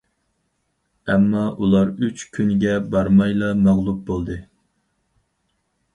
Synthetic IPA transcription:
ɛmːɑʔulˠɑɾyt͡ʃkʲʰynɡʲɛbɑɾmɑjlˠɑmæʁlˠup̚bolˠd̪ɨ

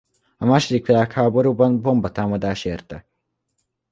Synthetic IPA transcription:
ɐmaːʃɾikʰɾaːkʰaːbɐɾubɐnbombɐt̪ʰaːmɐd̪aːʃeːɾt̪ɐ

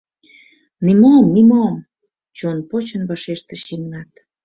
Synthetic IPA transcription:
nimomnimom | t͡ɕonpot͡ɕənβɑʃeʃt̪eʃimnɑt̪

